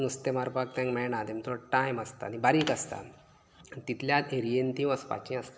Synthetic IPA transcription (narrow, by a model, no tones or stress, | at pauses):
nust̪emaɾpak̚t̪ɛ̃ŋkmɛɭɳat̪emit̪oʈajməst̪a̰nibaɾiːkəst̪a̰ | nt̪it̪ljat̪eɾijent̪ĩːʋəspa̰t͡ɕĩəst̪